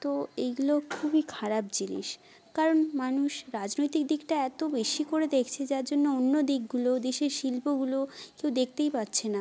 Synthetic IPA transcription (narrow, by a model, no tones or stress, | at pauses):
t̪oejɡulokʰubikʰaɾap̚d͡ʑinḭʃ | kaɾonmanuʃɾad͡ʑnojt̪ikd̪ikʈaɛt̪obeʃikoɾed̪ekʰt͡ɕʰed͡ʑaɾd͡ʑonːoonːod̪ik̚ɡulod̪eʃeɾʃilpoɡulokewd̪ek̚ʰt̪ejpatːɕʰena